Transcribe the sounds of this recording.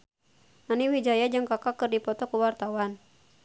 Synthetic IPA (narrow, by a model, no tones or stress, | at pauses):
naniwid͡ʒajad͡ʒɨŋkakakɨrdipɔt̪ɔkuwart̪awan